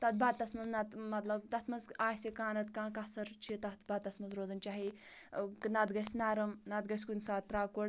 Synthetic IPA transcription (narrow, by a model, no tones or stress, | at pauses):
t̪ɐt̪̚ʰbad̪̚t̪ɐsmɐznɐt̪mɐt̪lɐbt̪ɐt̪ʰmɐzaːɦsikaːnɐt̪kãːkɐsɐɾt͡ʃʰit̪ɐt̪ʰbad̪̚t̪ɐsmɐnzɾoːzɐnt͡ʃaːɦi | nɐt̪ɡɐsʲnaːɾɐmnɐt̪ɡɐsʲkunʲsaːɾaːkoɽ